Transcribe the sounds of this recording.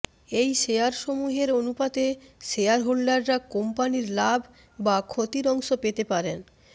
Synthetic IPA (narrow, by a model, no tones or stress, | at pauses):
ejʃejaɾʃomuɦeɾonupad̪eʃeaɾɦoɽːaɾɾakompaniɾlabʱ | bakʰot̪iɾɔŋʃopet̪epaɾen